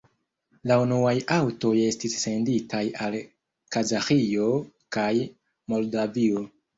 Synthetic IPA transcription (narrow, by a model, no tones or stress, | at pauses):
launuajawto̞je̞stisːe̞nditʰajal | kazaxio̞ | kaj | mo̞ldavio̞